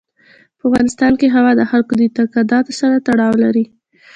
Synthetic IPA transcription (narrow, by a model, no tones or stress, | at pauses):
pəafɣɑnɪst̪ɑnkeɦawɑd̪əxalkod̪əit̪akad̪ɑt̪saɾat̪aɽɑwlaɾi